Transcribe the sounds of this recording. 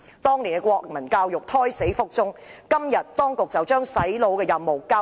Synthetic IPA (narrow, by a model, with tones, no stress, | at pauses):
t̪ɔː˥ŋliː˨˩nkɛ˧kʷwɔː˧k̚mɐ˨˩nkaː˧wjʊ˨k̚t̪ʰɔː˥jse˨˥jfʊ˥k̚t͡sʊ˥ŋkɐ˥mjɐ˨t̚t̪ɔː˥ŋkʊ˨k̚t͡sɐ˨wt͡ʃœː˥ŋsɐ˨˥jlo˨˧wkɛː˧jɐ˨mːo˨˩wkaː˥